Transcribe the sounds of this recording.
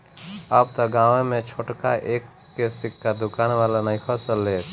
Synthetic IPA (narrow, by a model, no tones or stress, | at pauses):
əb̚t̪ɔɡãːʋẽmẽt͡ʃʰoːʈka̰ʔeːkː | esɪkːad̪ʊkaːnʋaːlanəĩkʰɔsəlːeːt̪ʰ